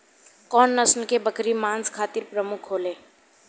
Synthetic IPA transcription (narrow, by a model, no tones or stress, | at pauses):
kɔːnːɐsnkebɐkɾimaːnskʰaːt̪ɪɾpɾəmʊkʰɦoːlẽː